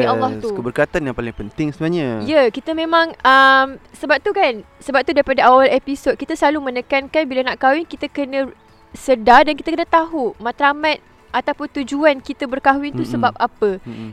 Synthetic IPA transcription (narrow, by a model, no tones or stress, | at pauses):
ialːɔht̪ukəbərkat̪anjãŋpalɪŋpənt̪ɪŋsəbənaɲaijakit̪əmẽmãŋəmsəbap̚t̪ukansəbap̚t̪udaɾipadaʔawalepisot̪̚kit̪asəlalumənəkankanbilanaʔkawɪŋkit̪əkənə̃ | sədadankit̪akənə̃t̪aɦumãt̪ɾamãt̪̚ | ʔat̪awpʊnt̪ud͡ʒuankit̪əbərkaɦwɪnt̪ussəbap̚apə